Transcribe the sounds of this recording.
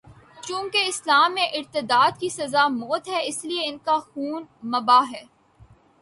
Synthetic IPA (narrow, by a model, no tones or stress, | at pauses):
t͡ʃũːkeɪslaːmːẽʔɪɾt̪ɪd̪aːd̪kisɐzamoːt̪ɦɛɪslieɪnkaxuːnmɐbaːɦɛː